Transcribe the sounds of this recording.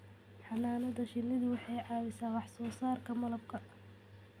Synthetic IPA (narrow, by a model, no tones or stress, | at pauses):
ħɑnaːnɐðɐʃɪnɪðʊwɑħɑjʕɑːwɪsaːwɑħsɔːsaːrkʰɐmɐlɐb̚kʰɐ